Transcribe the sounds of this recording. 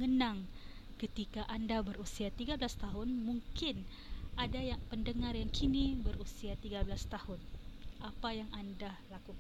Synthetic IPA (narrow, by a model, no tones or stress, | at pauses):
ŋənaŋ | kət̪ikaʔandabərusiat̪iɡabəlast̪aɦʊnmuŋkɪn | ʔadajaŋpəndəŋarjaŋkʰinibərusiat̪iɡabəlast̪ahʊnʔapajaŋandalakuk